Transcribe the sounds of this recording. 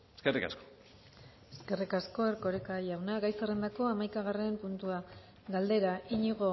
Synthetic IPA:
eskerika̰sko̥ | eske̞rikasko̞eɾko̞ɾekajawnaɣajsarend̪ako̞amajkaɣarempunt̪ua | ɣald̪e̞ɾaʔiɲiɣ̞o̞

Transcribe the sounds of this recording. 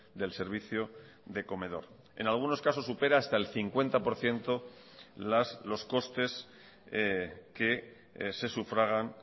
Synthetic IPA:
d̪e̞lse̞ɾβ̞iθjo | ðe̞ko̞me̞ð̞o̞̰ɾ | e̞̰nalɣ̞uno̞skaso̞supe̞ɾaːst̪ae̞lθiŋkwe̞nt̪apo̞ɾθje̞nt̪o̞ | laslo̞sko̞st̪e̞s | ke̞ | se̞sufɾaɣ̞an

